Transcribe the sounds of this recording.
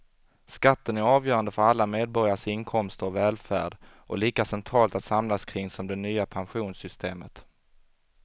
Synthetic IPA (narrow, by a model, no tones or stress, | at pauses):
skat̪ːənæɾɑːvjœːɾand̪əfœɾalːameːd̪̚bɔɾjaʂɪnkʰɔmst̪əɾɔvɛːlfæ̰ːɖ | ʔɔliːkasɛnt̪ʰɾɑːlt̪at̪samlaskʰɾɪŋsɔmd̪ɛnyːapʰanɧuːnsʏst̪ʰeːmə̰t̪